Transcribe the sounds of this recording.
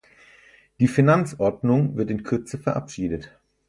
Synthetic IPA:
d̥iːfinant͡sʔɔɐdnʊŋvɪɐtɪnkʰʏɐt͡səfɛɐʔa̰pʃiːdət

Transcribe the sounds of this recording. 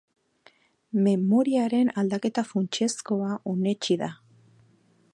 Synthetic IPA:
me̞mo̞ɾiaɾe̞nald̪ake̞t̪afunt͡ʃe̞sko̞aʔone̞t͡ʃiða

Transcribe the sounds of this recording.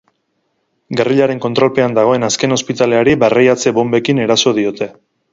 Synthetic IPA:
ɡariʎaɾe̞ŋko̞nt̪ɾo̞lpe̞and̪aɣ̞o̞e̞naske̞no̞spit̪ale̞aɾibarajat͡se̞βo̞mbe̞kine̞ɾaso̞ðio̞t̪e̞

